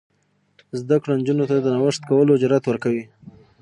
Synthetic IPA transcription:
zd̪akɽond͡ʒunot̪ad̪ənawəʂt̪kawəlod͡ʒɾat̪wəɾkawi

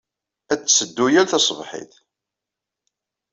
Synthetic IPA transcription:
æt͡sːsəd̪ːujælθɑsˤvħḭθ

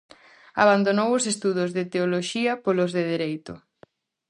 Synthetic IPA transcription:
a̰βand̪onowosest̪uðʊzðet̪eoloʃiɐpolozðeð̞eɾejt̪ʊ̰

